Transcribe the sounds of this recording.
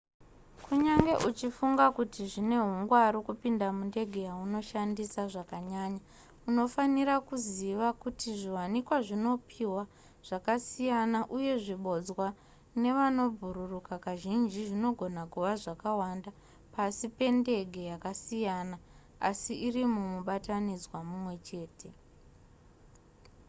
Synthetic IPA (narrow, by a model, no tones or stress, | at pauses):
kʰuɲaŋɡe̞ʔut͡ʃifuŋɡakutiʐine̞ɦuŋɡwaɾokupindamunde̞ɡʱe̞jauno̞ʃandisaʐakaɲaːɲa | uno̞faniɾakuziʋakutiʐiwanikwaʐino̞pʰiwa | ʐ̥akasijanaʔuje̞ʐiɓo̞d͡zwa | ne̞ʋano̞bʱuɾurukakaʒind͡ʒiʐino̞ɡʱo̞nakuʋaʐakawanda | pasipe̞nde̞ɡʱe̞jakasijana | asiʔirimumuɓatanid͡zwamumwe̞t͡ʃe̞ːte̞